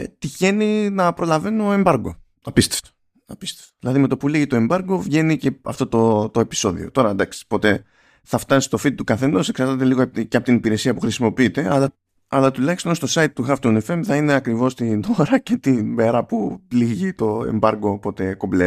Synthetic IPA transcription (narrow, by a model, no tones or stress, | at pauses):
t̪içe̞ninɐpɾo̞lɐve̞noe̞mbɐɾɡo̞ | ɐpist̪eft̪o̥ | ɐpi̥st̪eft̪oðilɐðime̞t̪o̞puliʝit̪o̞e̞mbɐɾɡo̞vʝe̞nice̞ɐ̰ft̪o̞t̪ot̪o̞e̞pi̥so̞ðḭo̞̰t̪o̞ɾɐd̪ɐksi̥po̞t̪e̞ | θɐft̪ɐsi̥st̪ofit̪̚t̪ukɐθe̞noseksɐɾt̪ɐt̪̬e̞liɣoceɐpot̪inipiɾe̞siɐpuxɾisimo̞piit̪e̞ʔɐlɐ | ɐlɐt̪ulɐçist̪onst̪osɐit̪̚t̪ːuxɐft̪unefe̞mθɐine̞ɐkɾivo̞st̪ino̞ɾɐce̞t̪ibe̞ɾɐpuliʝit̪o̞e̞̰mbɐɾɡopo̞t̪e̞koble